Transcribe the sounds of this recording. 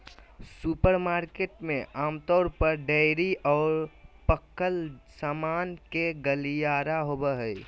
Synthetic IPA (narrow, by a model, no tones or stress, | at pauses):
supəɾmaːɾkeːʈmẽʔaːmt̪ɔːɾpəɾɖɛɪɾiʔɔːɾpəkːəlsaːmaːnkeɡəlijaːɾaɦobəɦə